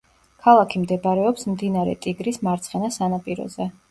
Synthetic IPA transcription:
kʰalˠakʰimd̪ɛbaɾɛɔpsmd̪inaɾɛ̰t̪ʼiɡɾismaɾt̪sʰχɛnasanapʼiɾɔ̰zɛ

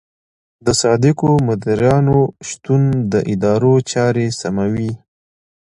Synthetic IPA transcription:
d̪əsɑd̪ɪkomʊd̪aɾjɑnoʃt̪und̪əʔɪd̪ɑɾot͡ʃɑɾesamawi

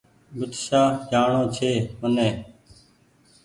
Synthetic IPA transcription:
bʊt̪saːd͡ʒaːɳõːt͡ʃʰeːmənẽː

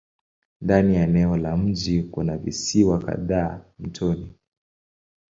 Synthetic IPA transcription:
ndanijaɛnɛɔlam̩d͡ʒikunavḭsiwaka̰ðaːm̩tʰɔni

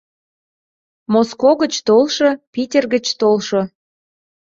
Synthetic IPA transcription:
moskoɣət͡ɕt̪olʃɤpitʲerɣət͡ɕt̪olʃŏ

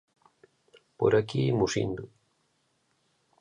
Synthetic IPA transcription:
po̰ɾakimusḭnd̪ʊ

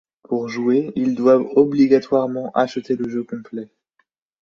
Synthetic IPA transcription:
puʁʒueild̪wavɔbliɡat̪waʁmɑ̃ʔaʃət̪eləʒøkɔ̃plɛ

